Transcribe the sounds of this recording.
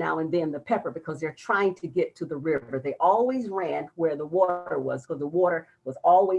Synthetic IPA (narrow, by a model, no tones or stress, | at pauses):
naʊɨ̃nðɨ̃nðɨpʰɛpə˞bɨkʰʌzðə˞tʰɹ̥aɪɪ̃ŋtʰɨɡɛtʰɨðəɹɪə˞ðeɪʔɔlˠwizɹæ̃nwə˞ðəwɔɾə˞wʌ̰z̥kʰʌzðəwɔɾə˞ | wʌzɔlˠwi